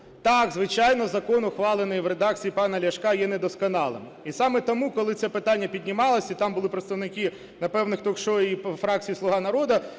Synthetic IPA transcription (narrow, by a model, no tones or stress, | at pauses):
t̪ɑɡzʋɪt͡ʃɑjnɔzɐkɔnʊxʋɑlˠɪnɪjʋɾed̪ɑk̚t͡sʲijipɑnɐlʲɐʃkɑjɛned̪ɔskɔnɑlˠɪ̰m | isɑmɛt̪ɔmukɔlˠɪt͡sʲɛpɪt̪ɑnʲːɐpʲidʲnʲimɑlˠɐsʲɐit̪ɑmbʊlˠɪpɾet̪st̪ɐʋnɪkɪ | nɐpɛwnɪxt̪ɔkʃɔifɾɑk̚t͡sʲijislˠʊɦɑnɐɾɔd̪ɐ